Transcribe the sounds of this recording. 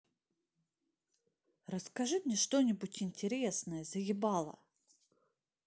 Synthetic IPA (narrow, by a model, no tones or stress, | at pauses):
rəskɐʐɨmnʲɛʂt̪o̞nʲɪbutʲɪnʲtʲɪɾʲesnəjəzəɡʲɪbɑlˠə̰